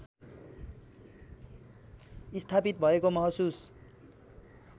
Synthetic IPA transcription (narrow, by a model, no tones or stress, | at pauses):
ist̪ʰapit̪̚bʱʌekomʌɦʌsus